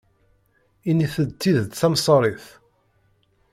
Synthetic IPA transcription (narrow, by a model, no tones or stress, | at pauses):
iniθət̪ːiðθæmsˤɾˤiθ